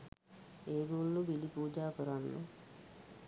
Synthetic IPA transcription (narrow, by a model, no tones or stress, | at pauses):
eːɡolːubilipuːd͡ʒaːkəɾanːṵ